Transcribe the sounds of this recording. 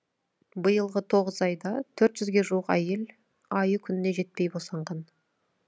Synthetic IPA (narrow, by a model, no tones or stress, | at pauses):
bəjəlˠʁət̪ʰo̞ʁəzɑjd̪ɑt̪ʰɵɾt̪ʒʏzɡʲe̞ʒuwəqæjel | ɑjəkʲʰʏnɪne̞ʒe̞t̪̚pe̞jbosɑɴʁɑn